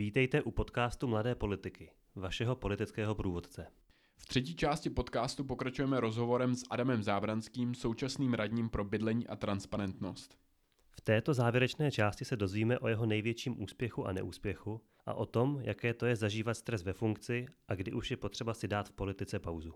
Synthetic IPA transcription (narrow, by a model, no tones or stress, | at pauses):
viːt̪ɛjt̪ɛʔupo̞t̪kaːst̪umladɛːpo̞lɪt̪ɪkɪ | vaʃɛɦo̞po̞lɪt̪ɪt͡skɛːɦo̞pɾuːvo̞t̪t͡sɛ | ft̪r̝̥ɛc̬iːt͡ʃaːscɪpo̞t̪kaːst̪up̬o̞kɾat͡ʃujɛmɛɾo̞zɦo̞vo̞ɾɛmsʔadamɛmzaːbɾanskiːmsowt͡ʃasniːmɾadɲiːmpɾo̞bɪdlɛɲiːʔat̪ɾanspaɾɛnt̪no̞̰st̪ | ft̪ɛːt̪o̞zaːvjɛɾɛt͡ʃnɛːt͡ʃaːscɪsɛdo̞zviːmɛʔo̞jɛɦo̞nɛjvjɛt͡ʃiːmʔṵːspjɛxuʔa̰nɛ̰ʔuːspjɛxu | ʔa̰ʔo̞t̪o̞mjakɛːt̪o̞jɛzaʒiːvat̪st̪ɾɛsvɛfuŋkt͡sɪʔaɡdɪʔuʃjɛpo̞t̪r̝̥ɛbasɪdaːt̪fpo̞lɪt̪ɪt͡sɛpawzu